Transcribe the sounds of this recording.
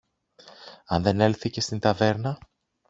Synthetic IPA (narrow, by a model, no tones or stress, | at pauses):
ɐnðe̞ne̞lθice̞st̪int̪ɐve̞ɾnɐ